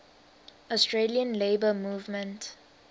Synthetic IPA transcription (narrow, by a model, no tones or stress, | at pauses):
ɔstɹeliə̃nleːbəmuːvmə̃nt